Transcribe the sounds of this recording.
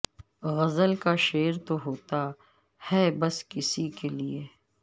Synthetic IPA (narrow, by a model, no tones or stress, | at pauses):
ɣɐzəlkaʃeːɾt̪oɦoːt̪a | hɛːbɐskɪsikelieː